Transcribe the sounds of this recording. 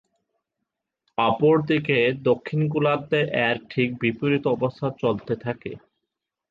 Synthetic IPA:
apoɾd̪iked̪okʰːink̬ulad̪ːeʔɛɾ̚ʈʰik̚bipoɾit̪oɔbost̪ʰat͡ɕolt̪et̪ʰakḛ

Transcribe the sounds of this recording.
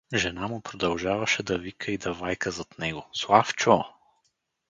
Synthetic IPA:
ʒɛnamʊpɾod̪ɐlˠʒavɐʃɛd̪ɐvikəid̪ɐvajkəzɐt̪nɛɡoslˠaft͡ʃo

